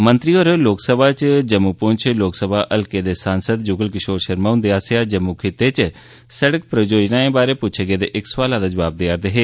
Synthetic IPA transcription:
mə̃nt̪ɾiːoɾloːksəbʱaːt͡ʃd͡ʒəmːuːpʊɲt͡ʃʰloːksəbʱaːʔəlkeːd̪eːsaːnsəd̪d͡ʒʊɡəlkɪʃoːɾʃəɾmaːʊ̃nd̪eːaːseaːd͡ʒəmukʰeːt̪eːt͡ʃ | səɽək̚pɾəd͡ʒoːd͡ʒnaːẽːbaːɾeːpʊt͡ʃʰeɡeːd̪eːʔɪkswaːlãd̪aːd͡ʒəʋaːb̚d̪eaɾd̪eːɦeː

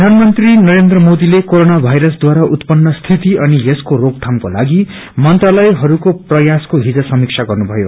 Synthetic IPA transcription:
pd̪ʱanmʌnt̪rinʌɾend̪rʌmod̪ilekoɾonabʱajɾʌsd̪waɾaʔut̪pʌnːʌst̪ʰit̪iʌnijeskorok̚t̪ʰamkola̰ɡi | mʌnt̪ralʌjɦʌɾukoprʌjaskoɦid͡zʌsʌmik̚sʰaɡʌrnubʱʌjo

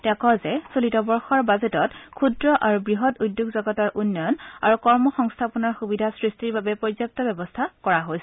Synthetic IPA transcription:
tɛkɔzɛsolitɔbɔɹxɔɹbazɛtɔtkʰudɹɔʔaɹubɹiɦɔtujdjoɡzɔɡɔtaɹʔunːɔna̰ɹukɔɹmɔxɔŋstʰapɔnaɹxubidʱasɹistiɹbabɛpɹɔzjok̚tɔbɛbɔstʰakɔɹaɦojsɛ

